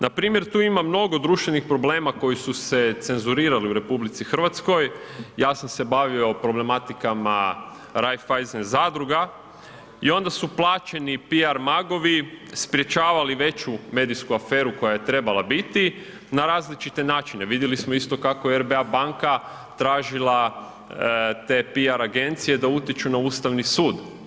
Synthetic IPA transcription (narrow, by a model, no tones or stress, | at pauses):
nʔapɾiːmjeɾt̪uːimamno̞ɡo̞d̪ɾuːʃt̪ʋe̞nixpɾo̞ble̞ːmako̞jisuse̞t̪se̞nzuɾiːɾaliuɾe̞publit̪sixr̩ʋat̪sko̞jjaːsamse̞baʋio̞pɾo̞ble̞mat̪ikama | ɾajfajzenzad̪ɾuɡa | io̞nd̪asuplˠaːt͡ʃe̞nipiaɾmaɡo̞ʋispɾje̞t͡ʃaːʋaliʋe̞t͡ɕume̞d̪ijskuafe̞ːɾuko̞jajet̪ɾe̞balabit̪i | naɾaːzlit͡ʃit̪e̞naːt͡ʃine̞ʋid̪jelismoist̪o̞kakojeeɾbeabaŋka | t̪ɾaːʒila | t̪e̞ːpiaɾaɡe̞nt̪sije̞d̪aut̪jet͡ʃunauːst̪aʋnisuːd̪